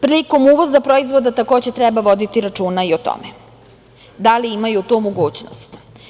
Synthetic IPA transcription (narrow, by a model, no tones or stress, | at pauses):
pɾiliko̞muʋo̞zapɾoizʋo̞d̪at̪ako̞ːd͡ʑet̪ɾɛbaʋo̞d̪it̪iɾat͡ʃuːnaiot̪o̰mɛ | d̪aliimajut̪umoɡuːt͡ɕno̰st̪